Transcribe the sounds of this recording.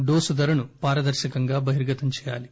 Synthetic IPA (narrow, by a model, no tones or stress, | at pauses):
ɖoːsud̪ɐɾɐnupaːɾɐd̪ɐɾʃɐkɐŋɡaːbɐɦiɾɡɐt̪ɐmt͡ʃɛːja̰ːli